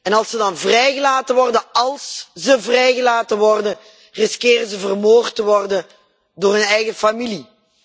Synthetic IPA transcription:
ɛnɑlˠsədɑnvrɛjɣəlaːtəʋɔrdəɑlˠszəvrɛjɣəlaːtəʋɔrdə | rɪskɪːrəzəvərmoːrtəʋɔrdə | doːrɦɵnɛjɣəfamili

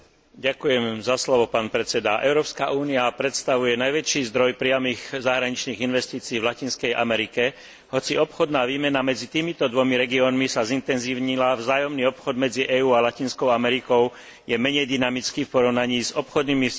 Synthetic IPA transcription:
ɟakujɛmzaslɔʋɔpaːnpɾɛt͡sɛd̪aʔɛʊɾɔːpskaʔuːniapɾɛt̪st̪aʋujɛnajʋɛt͡ʃiːzd̪ɾɔjpɾɪamiɣzaɦɾaɲit͡ʃniːɣinʋɛst̪iːt͡siːvlacinskɛjʔa̰mɛɾikɛ | hɔt͡siɔpxɔd̪naːʋiːmɛnamɛd͡zit̪iːmit̪ɔd̪ʋɔmiɾɛɡiɔːnmisazint̪ɛnziːʊɲilavzaːjɔmniːɔpxɔd̪mɛd͡ziʔɛːuːalacinskɔʊamɛɾikɔʊ | jɛmɛɲɛjd̪inamit͡skifpɔɾɔʊnaɲiːzɔpxɔd̪nimi

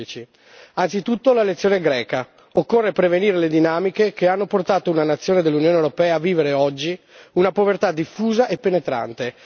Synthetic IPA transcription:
it͡ʃi | ansit̪ut̪ːolaelet̪sːjoːneɡɾɛːka | okːorːepɾeveniːɾeled̪inaːmikekeanːoport̪aːt̪ounanat̪sːjoːned̪elːunjoːnewɾopɛːaːvːiːveɾeɔd͡ʒːi | unapovert̪ad̪ifːuːzaʔepːenet̪ɾa̰nt̪e

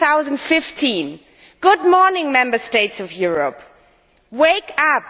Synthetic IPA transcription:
aʊzə̃ndfɪftʰĩn | ɡ̥ʊd̚mɔɹnɪ̃ŋmɛ̃mbəsteɪtsɔvjuɹə̰p | weɪkap̚

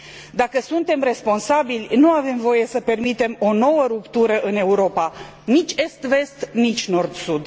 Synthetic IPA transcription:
d̪akəsunt̪e̞mre̞spo̞nsabilʲnuave̞mvo̞je̞səpe̞rmit̪e̞mo̞no̞wəɾupt̪uɾəʔɨne̞uɾo̞pa | nit͡ʃʲe̞st̪ve̞st̪nit͡ʃʲno̞rd̪sud̪

